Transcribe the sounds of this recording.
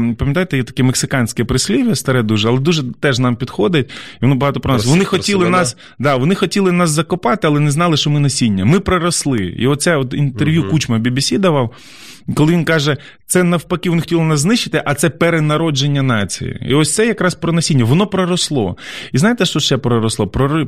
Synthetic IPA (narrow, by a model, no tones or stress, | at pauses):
pɐmʲjɐt̪ajt̪ɛjɛt̪ɐ̥kʲɛmeksɪkɑnʲsʲkʲɛpɾɪsʲlʲiʋʲɐst̪ɐɾɛd̪uʒɛɐlˠɛd̪uʒɛt̪ɛʒnɑmpʲid̪xɔd̪ɪt̚ʲiʋɔnɔbɐɦɑt̪ɔpɾɔnsʋɔnnɪxɔtʲilˠɪnɑs | d̪ɑʋɔnɪxɔtʲilˠɪnɑszɐkɔpɑt̪ɪɐlˠɛnɛznɑlˠɪʃt͡ʃɔmɪnɐsʲinʲːɐmɪpɾɔɾɐslˠɪ̰ḭɔt̪̚sɛɔt̪int̪erʋʲjukut͡ʃmɐbʲibʲisʲid̪ɐʋɐw | kɔlˠɪʋʲinkɑʒɛ | t̪sɛnɐwpɐkɪʋɔnɪxɔ̥tʲilˠɪnɑs̬znɪʃt͡ʃːɪt̪ɪʔɐt̪sɛpeɾenɐɾɔd͡ʒenʲːɐnɑt͡sʲḭjḭḭɔsʲt̪sɛjɐkɾɑspɾɔnɐsʲinʲːɐʋɔnɔpɾɔɾɔslˠɔ̰iznɑjt̪ɛʃt͡ʃɔʃt͡ʃɛpɾɔɾɔslˠɔpɾɔɾɪ